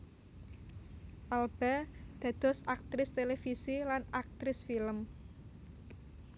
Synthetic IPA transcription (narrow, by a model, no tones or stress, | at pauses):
ʔalb̥ɛd̪̥a̤d̪̥ɔ̤sak̚t̪ɾɪst̪elefisilanak̚t̪ɾɪsfiləm